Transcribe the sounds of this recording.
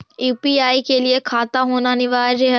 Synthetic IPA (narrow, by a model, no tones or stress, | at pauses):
upiaikeliekʰaːt̪aɦonaniʋaːɾeɦ